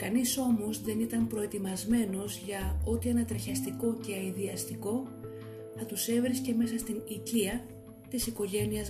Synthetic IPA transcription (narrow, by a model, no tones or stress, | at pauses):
kɐniso̞mo̞zðe̞nit̪ɐmpɾo̞e̞t̪imɐzme̞no̞zʝɐo̞t̪ienɐt̪ɾiçɐst̪iko̞ce̞ɐiðiɐst̪iko̞ | θɐt̪use̞vɾisce̞me̞sɐst̪iniciɐ | t̪isiko̞ʝe̞niɐz